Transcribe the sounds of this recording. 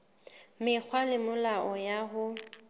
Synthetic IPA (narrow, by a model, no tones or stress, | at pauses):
mɪk͡xʰwalɪmʊlaʔɔjaɦʊ